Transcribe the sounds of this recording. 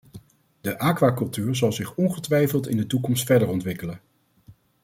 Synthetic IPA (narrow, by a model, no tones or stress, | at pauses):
dəʔaːkʋaːkɵlˠtyːɹzɑlˠzɪχɔnχətʋɛjfəlˠtɪndətukɔmstfɛɹdəɹɔntʋɪkələn